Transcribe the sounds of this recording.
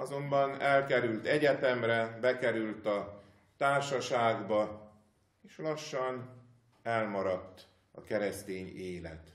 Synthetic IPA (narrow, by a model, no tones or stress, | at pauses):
ɒzo̞mbɒnɛlkɛɾylt̪ɛɟɛt̪ɛmrɛbɛkɛɾylt̪ɒ | t̪aːrʃɒʃaːɡbɒ | eːʃlɒʃːɒn | ɛlmɒɾɒt̪ː | ɒ̰kɛɾɛst̪eːɲeːlɛ̰t̪